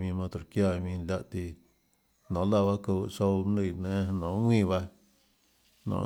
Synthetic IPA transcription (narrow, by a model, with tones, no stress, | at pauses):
mĩ˧mã˧t̪o˨kja˧˨mĩ˧nlʲa˧ʔt̪i˧ | nõ˨la˧βa˦ko˧˨so˧mnɨ˧˨nẽ˦nõ˨ŋʷĩ˦˧βa˧ | nɔ̰̃˨˦